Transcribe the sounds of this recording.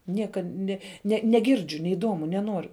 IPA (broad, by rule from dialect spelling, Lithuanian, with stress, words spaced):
ˈnʲiɛkɐt ˈnʲɛ ˈnʲɛ nʲɛˈɡʲɪrʲd͡ʒʲʊ nʲɛɪˈdoːmʊ nʲɛˈnoːrʊ